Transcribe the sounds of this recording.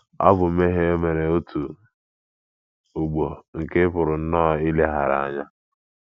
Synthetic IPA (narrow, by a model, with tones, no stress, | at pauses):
ɔ̰˦bʊ˨me˦ɦe˦o˦me˨ɾe˨o˦tʰu˨ | o˨ɡ͡bo˨ŋ̩˨ke˦pʊ˨ɾʊ˨n̩˦nɔː˦ɪ˦le˦ɦa̰˨ɾa̰˨a̰˨ɲa˦